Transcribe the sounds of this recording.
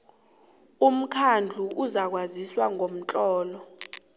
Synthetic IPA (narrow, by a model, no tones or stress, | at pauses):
um̩kʰand͡ɮʱuʔuzak̬waziswaŋom̩t͡ɬʼɔːlɔ